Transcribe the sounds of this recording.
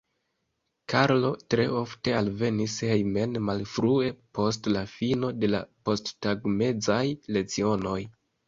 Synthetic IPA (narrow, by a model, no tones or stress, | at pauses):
kʰaɾlo̞tɾe̞̰o̞fte̞alve̞nishe̞jme̞nmalfɾue̞po̞stlafino̞de̞la̰po̞sttaɡme̞zajle̞t͡sio̞no̞j